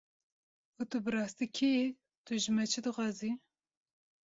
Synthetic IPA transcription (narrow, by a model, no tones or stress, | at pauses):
ut̪ɨbɨɾɑːst̪ikʰeje | t̪uʒɨmɛt͡ʃʰɨd̪ɨxɑːzi